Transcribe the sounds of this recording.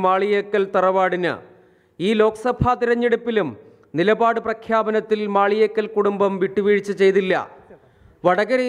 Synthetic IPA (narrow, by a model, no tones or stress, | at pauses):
maːɭijekːɐlt̪ɐrɐʋaːɽinɨ̰ | iːlo̞ːkɐsɐbʱat̪iɾɐɲːeɽupːilum | nilɐbaːɽɨprɐkʰjaːbɐnɐt̪ːilmaːɭijeːkːɐlkuɽumbɐmʋiʈːuʋiːɻit͡ɕːɨt͡ɕe̞jt̪ilːɐ̰ | ʋɐɽɐɣɐɾe